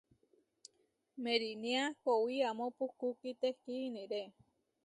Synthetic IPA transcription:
meɾiniakowiamõpukukit̪ekinĩɾe

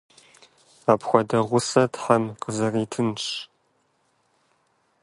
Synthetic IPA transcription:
aːpxʷɔdɐʁʷʊsɐtħamqəzɐriːtʰɨnt͡ʃ

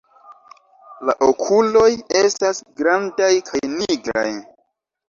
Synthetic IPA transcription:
laʔokʰulo̞je̞stasɡɾandajkʰajniɡɾa̰j

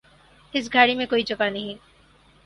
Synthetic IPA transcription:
ɪs̬ɡʱaːɽimẽkoːit͡ʃokanəɦĩ

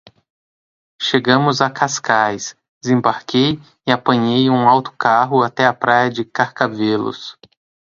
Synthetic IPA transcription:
ʃeɡɐ̃mʊzakʰaskajs | d̪ezẽmbaɾkej | ɪapɐ̃ɲejũawt̪ʊ̥kaɦʊat̪ɛɐpɾajɐd͡ʒɪkaɾkavelʊ̰s

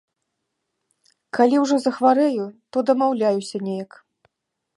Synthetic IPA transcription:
kalʲiwʐɔzɐxvaɾɛjut̪ɔd̪ɐmawlʲajusʲɐnʲejɐk

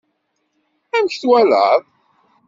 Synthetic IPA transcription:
æmçθwælə̰ðˤ

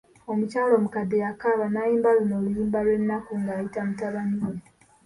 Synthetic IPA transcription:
o̞mucaːlo̞ːmukadːejakaβanajiːmbalunoːlujiːmbalwenːakuŋɡaːjitamutaβaniwe

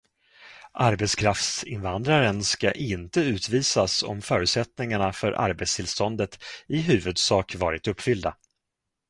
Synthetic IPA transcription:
ʔaɾbɛt̪skʰɾaft̪sɪnvand̪ɾaɾənskaʔɪnt̪əʉ̟ːt̪viːsasɔ̰mfœːɾɵʉ̟t̪sɛt̪nɪŋaɳafœɾʔa̰ɾbɛt̪st̪ʰɪlst̪ɔnd̪ət̪ɪɦʉ̟ːvɵd̪sɑːkvɑːɾɪt̪ɵpːfʏld̪a

